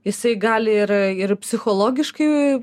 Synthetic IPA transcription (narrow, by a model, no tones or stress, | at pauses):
jɪsɐɪɡɑːlʲɪɪɾɪɾpʲsʲɪxoːlˠoːɡʲɪʃkɐɪ